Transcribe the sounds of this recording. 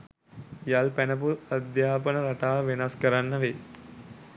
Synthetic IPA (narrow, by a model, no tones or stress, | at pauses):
jalpænəp̬uad̪jaːpənəɾaʈaːʋenaskəɾanːəʋe